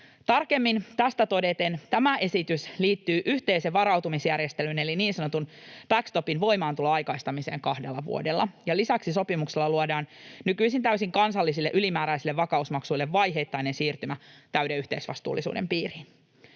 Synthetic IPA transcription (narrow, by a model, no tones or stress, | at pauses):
t̪ɑrke̞mːint̪æst̪æt̪o̞de̞t̪ent̪æmæʔe̞sit̪ysliːt̪ːyːʔyht̪e̞iseʋʋɑɾɑwt̪umisjærjest̪elyne̞liniːnsɑnot̪unb̥ækst̪o̞pinʋo̞jmɑːnt̪uloɑjkɑist̪ɑmise̞̰ːŋkɑhdelːɑʋṵodelːɑjɑlisæksiso̞pimukselːɑluodɑːnnykyisint̪æysiŋkɑnsɑlːisilːeʔylimæːɾæisilːeʋːʋɑkɑusmɑksuilːeʋːɑjɦe̞jt̪ːɑjnensiːrt̪ymæt̪æɥdeyht̪e̞isʋɑ̰st̪ṵːlːˑisṵːdḛmpiːrin